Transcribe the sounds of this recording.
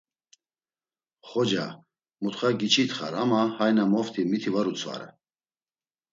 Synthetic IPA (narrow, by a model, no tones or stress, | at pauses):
χɔd͡ʒa | mut̪χaɡit͡ʃʰit̪χa̰ɾamahajnamɔft̪ʰimit̪ʰivaɾut͡sʰva̰ɾɛ̰